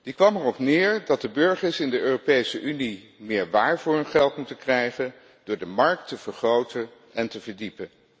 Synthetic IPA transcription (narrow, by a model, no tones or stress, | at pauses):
d̥ikʋɑmɛrɔpnɪːɹdɑt̚dəbɵɹχəɹsɪndəøːropejsəʔyni | mɪːɹʋaːɹvuːrɪnχɛlˠtmutənkrɛjχən | d̥ʊːɹdəmɑɹk̚təv̥əɹχrowtən | ɛntəvəɹdipən